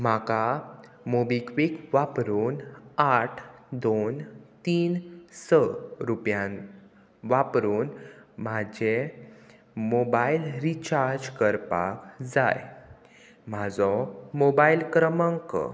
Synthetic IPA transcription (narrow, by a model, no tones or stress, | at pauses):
maka | mobikʋikʋapɾuːnaʈʰd̪ont̪iːnsəɾupjãn | ʋapɾuːnmad͡ʑe | mobailɾit͡ɕaɾd͡ʑkəɾpa̰kd͡za̰j | mad͡zɔmobailkɾəməŋk